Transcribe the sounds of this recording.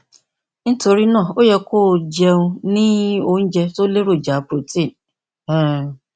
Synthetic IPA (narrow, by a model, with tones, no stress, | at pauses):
n̩˦tʰo˨ɾi˦nɔ̃˦˨o˦jɛ˨kʰʊ˦˨d͡ʑi˨ɛ˦nũ˦nɪ̃˦o˨n̩˦d͡ʒɛ˦sʊ˦le˦ɾo˨d͡ʒa˨pʰɾo˨tʰĩ˦˨n˨